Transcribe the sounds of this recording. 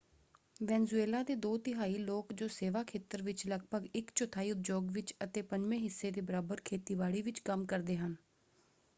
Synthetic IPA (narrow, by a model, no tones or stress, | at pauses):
ʋɛːnzueːlaːd̪eːd̪oːt̪ɪɦaːiːloːkd͡ʒoːseːʋaːkʰeːt̪əɾʋɪt͡ʃləɡbəɡɪkt͡ʃʊt̪ʰaːiːʊt̪̚d͡ʒoːɡʋɪt͡ʃət̪eːpəɲd͡ʒʋẽːɦɪsːeːd̪eːbəɾaːbəɾkʰeːt̪iːʋaːɽiːʋɪt͡ʃkəmkəɾd̪eːɦən